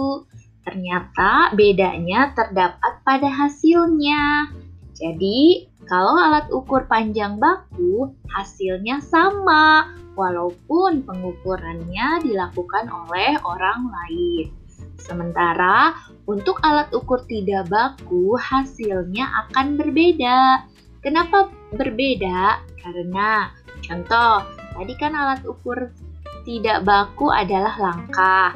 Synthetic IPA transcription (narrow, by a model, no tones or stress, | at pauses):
t̪ərɲat̪abedaɲat̪ərdapat̪̚padaɦasilɲa | d͡ʒadikalawalat̪̚ukʊrpaɲd͡ʒaŋbakuhasɪlɲasamawalaup̚ʊnpəŋukuɾanɲadilakukanolɛhoɾaŋlaɪn | səmənt̪aɾa | unt̪ʊkalat̪̚ukʊrt̪idaʔbakuhasɪlɲaʔa̰kanbərbedaʔ | kənapa | bərbedaʔkaɾəna | t͡ʃɔnt̪ɔht̪adikanalat̪ukʊrt̪idaʔbakuʔa̰dalahlaŋkah